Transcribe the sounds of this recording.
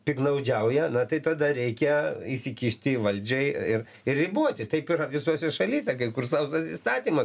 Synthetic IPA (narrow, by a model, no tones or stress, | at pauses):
pʲɪknɐʊd͡ʒʲɛʊjɛnɐt̪ɐɪt̪ɐd̪ɐɾʲɛɪkʲɛisʲɪkʲiʃʲt̪ʲɪʋɐlʲd͡ʒʲɛɪɪr | ɪrrʲɪbuɔt̪ʲɪt̪ɐɪpɪɾɐʋʲɪsuɔsʲɛʃɐlʲiːsʲɛkɐɪkʊrsɐʊsɐsḭst̪ɑːt̪ʲiːmɐ